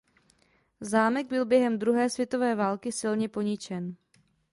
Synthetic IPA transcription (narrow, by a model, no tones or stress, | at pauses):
zaːmɛɡ̚bɪlbjɛɦɛmd̪ɾuɦɛːsvjɛt̪o̞vɛːvaːlkɪsɪlɲɛpo̞ɲɪt͡ʃɛn